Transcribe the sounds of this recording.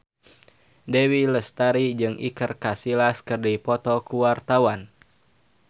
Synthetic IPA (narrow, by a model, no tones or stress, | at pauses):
dewiləst̪aɾid͡ʒɨŋʔikərkasilaskərdipɔt̪ɔkuwart̪awan